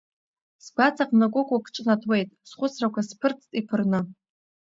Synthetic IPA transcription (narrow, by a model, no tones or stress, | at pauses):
sbat͡sʰaqʼnakʷʼʊkʷʼakʼʈ͡ʂʼnatʰʼwe̞jtʼsχʷʊsrakʷaspʰɨrt͡sʰtʼipʰɨrnɨ